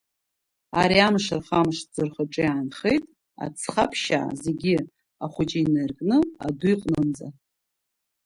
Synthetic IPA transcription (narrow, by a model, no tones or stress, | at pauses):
aɾiamʂarχamʂd͡zɨrχaʈ͡ʂʼɨjaːnχejtʼ | a̰t͡sʰχapʰʃa̰ze̞ɡʲi | aχʷʊt͡ʃʼiinerkʼnɨa̰duiqʼnɨnd͡za